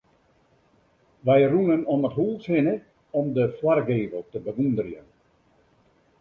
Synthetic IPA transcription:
ʋɛjrunənɔnətɦulˠsɪnə | ɔmdəfwarɡeːvəlˠtəbəʋundərjən

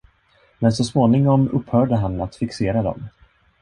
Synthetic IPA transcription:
mɛnsɔsmoːnɪŋɔmɵphœːɖəɦanːat̪fɪkseːɾad̪ɔ̰m

